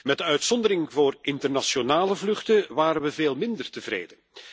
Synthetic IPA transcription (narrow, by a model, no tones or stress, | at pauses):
mɛdəœɥtsɔndəɾɪŋvoːrɪntərnasjonaːləvlɵχtəʋaːɾənʋəveːlˠmɪndərtəvrḛːdən